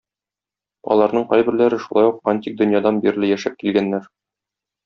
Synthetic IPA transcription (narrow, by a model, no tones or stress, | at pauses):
ɒ̰lˠɑɾnɤɴqɒjbɘ̆ɾlæɾɘʃulˠɑ̰juqanʲt̪ʲik̚d̪ɵ̆njɑd̪ɑnbiɾlɘjæʃæp̚kilɡænːæɾ